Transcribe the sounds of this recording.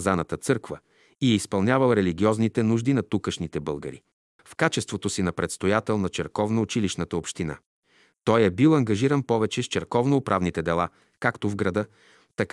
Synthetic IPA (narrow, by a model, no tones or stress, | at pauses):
zanət̪ət̪sɤɾkvə | iɛispɐlˠnʲavɐlˠɾɛliɡʲiɔznit̪ɛnuʒd̪inɐt̪ukəʃnit̪ɛbɤlˠɡə̰ɾḭ | fkat͡ʃɛst̪vot̪osinɐpɾɛt̪st̪ojat̪ɛlˠnɐt͡ʃɛɾkɔvnoːt͡ʃiliʃnət̪əopʃt̪ina̰ | t̪ɔjɛbilˠɐŋɡɐʒiɾənpɔvɛt͡ʃɛst͡ʃɛɾkɔvnoːpɾʔavnit̪ɛd̪ɛlˠa | kakt̪ovɡɾɐd̪ɤ | t̪ɐk